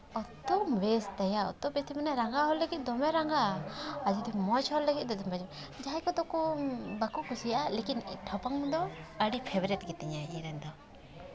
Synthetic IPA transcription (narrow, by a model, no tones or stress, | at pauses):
ɔt̪ɔmbɛst̪ɛjaɔ̰t̪ːɔbɛst̪imanɛɾaŋɡaɦɔlːəɡit̪̚ˀd̪ɔmɛɾaŋɡaad͡ʒud̪imɔt͡ʃʰhɔllːəɡit̪̚ˀd̪ɔd̪ɔmbad͡ʒm | d͡ʒajkɔd̪ɔkɔbakukusijaʔalekinʈʰɔpaŋd̪ɔəɽipʰɛbɾɛt̪̚ɡɛt̪ɛɲaiɾɛnd̪ɔ